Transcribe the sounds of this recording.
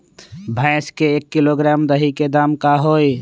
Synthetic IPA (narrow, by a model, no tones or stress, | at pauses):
bʱãɪskeekːiloɡɾamd̪əɦiked̪amkaɦoj